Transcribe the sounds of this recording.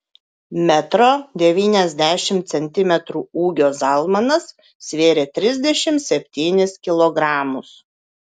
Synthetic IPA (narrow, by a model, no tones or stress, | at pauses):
mʲɛt̪ɾoːd̪ʲɛʋʲiːnʲɛzʲd̪ʲæːʃʲɪmt̪sʲɛnʲt̪ʲɪmʲɛt̪ɾuːuːɡʲoːzɐlˠmɐnɐs | sʲʋʲeːɾʲeːt̪ʲɾʲɪzʲd̪ʲɛʃʲɪmt̪sʲɛpʲt̪ʲiːnʲɪskʲɪlˠɔɡɾɑːmʊs